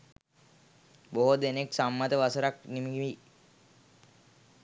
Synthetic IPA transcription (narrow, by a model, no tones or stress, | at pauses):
boɦod̪eneksamːat̪əʋasəɾaknimiɡiʋi